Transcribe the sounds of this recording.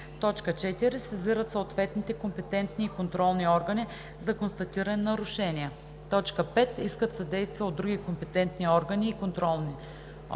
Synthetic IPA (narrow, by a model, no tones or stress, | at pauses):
t̪ɔt͡ʃkət͡ʃɛt̪iɾisɛziɾət̪soot̪vɛt̪nit̪ɛkompɛt̪ɛnt̪niːkont̪ɾɔlˠniɔɾɡəni | zɐkonst̪ɐt̪iɾɐnɛnːɐɾʊʃɛniə | t̪ɔt͡ʃkəpɛt̪iskət̪sɐd̪ɛjst̪vijəod̪ːɾuɡikompɛt̪ɛnt̪niɔɾɡəniːkont̪ɾɔlˠni